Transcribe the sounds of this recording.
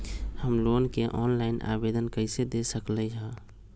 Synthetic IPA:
həmloːnkeʔɔːnlaɪnʔa̰bed̪ənkəɪsed̪esəkləd͡ʒã

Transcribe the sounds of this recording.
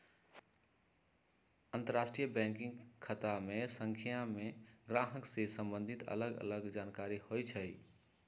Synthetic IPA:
ənt̪əɾasʈɾijəbɛ̃ŋkĩŋɡkʰət̪amesəŋkʰijameɡɾaɦəksesəmbənd̪ʱit̪ə̰ləɡə̰ləɡd͡ʒankaɾihojt͡ʃʰəj

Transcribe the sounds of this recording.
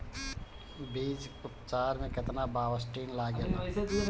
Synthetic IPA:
biːd͡ʒʊpt͡ʃaːɾmẽkɐt̪nabaːʋəsʈiːnlaːɡja

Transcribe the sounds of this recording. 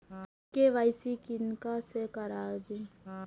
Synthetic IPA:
keʋaːɪsikɪnkasekɐɾaːɾd̪ĩ

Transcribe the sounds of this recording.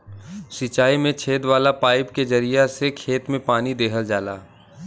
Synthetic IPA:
sɪt͡ʃaːimẽt͡ʃʰeːd̪ʋaːlapaːɪpked͡ʒɐɾijasekʰeːt̪mẽpaːnid̪eːɦəld͡ʒaːla̰ː

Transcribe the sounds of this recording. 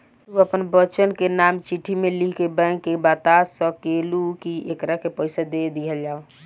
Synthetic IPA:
uəpənbət͡ʃənkenamt͡ʃiʈʰimeliɦkebãŋkːebat̪asə̃kelukiekɾakepəɪsad̪ed̪iɦəld͡ʒaːo

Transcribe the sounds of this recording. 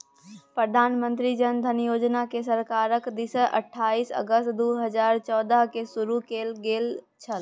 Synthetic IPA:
pɾəd̪ʱaːnmə̃nt̪ɾid͡ʒənd̪ʱənjoːd͡ʒnakesəɾkaːɾəkd̪isəʔə̰ʈʰːaːiːsə̰ɡəst̪d̪uɦəd͡ʒaːɾt͡ʃɔːd̪əɦkesʊɾukeːlɡeːlt͡ʃʰəl

